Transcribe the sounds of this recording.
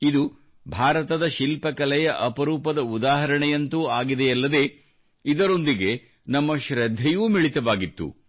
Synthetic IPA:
id̪u | bʱaːɾɐt̪ɐd̪ɐʃilpɐkɐlɛjɐʔɐpɐɾuːpɐd̪ɐud̪aːɦɐɾɐɳɛjɐnt̪uaːɡid̪ejɐlːɐd̪e̞ː | id̪ɐɾo̞nd̪iɡe̞ | nɐmːɐʃɾɐd̪ʱːɛjuːmiɭit̪ɐʋaːɡit̪ːṵ

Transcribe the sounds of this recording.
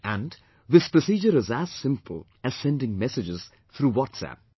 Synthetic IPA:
æ̃n | ðɪspɹəsiːd͡ʒəɾɪzæz̥sɪ̃mpʰəl̩ˠ | ɨz̥sɛ̃ndɪ̃ŋmɛsɨd͡ʒɪz̥ | θʰɾuːwɔtsæ̰p̚

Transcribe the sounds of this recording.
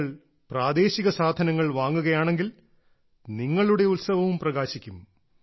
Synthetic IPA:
ɭ | praːd̪e̞ːɕiɣɐsaːd̪ʱɐnɐŋːɐɭʋaːŋːuɣɐjaːɳe̞ŋɡil | niŋːɐɭuɽe̞ut̪sɐʋɐʋumprɐɣaːɕikʲːum

